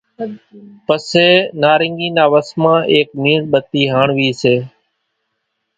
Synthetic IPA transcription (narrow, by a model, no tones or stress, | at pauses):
pəseːnaːɾɪŋɡiːnaːʋəsmãːʔeːk̚miːnɓət̪iːɦaːɳʋiːseː